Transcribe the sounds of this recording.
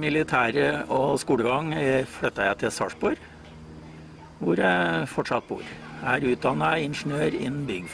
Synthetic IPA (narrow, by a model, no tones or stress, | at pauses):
mɪlɪt̪ʰæːɾəɔskuːɽəɡɑŋfɽœt̪ːɑjæɪt̪ʰɪlsɑ̰ːʂbɔɾ | ʋʊɾæfɔʈʂɑt̪̚bṵːɾæɾʉːt̪̚d̪ɑnːɑɪnʂn̩øːɾɪ̰nːn̩bʏɡ